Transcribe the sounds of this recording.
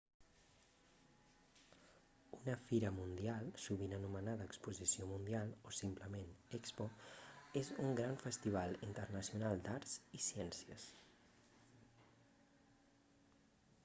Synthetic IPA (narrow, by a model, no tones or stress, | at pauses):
unəfiɾəmund̪ialˠsuβinənumənaðəːkspuzisiomund̪ialˠosimpləmenɛkspoezuŋɡɾaɱfəst̪iβ̞alˠint̪ərnəsiunalˠd̪aɾzisiɛnsiəs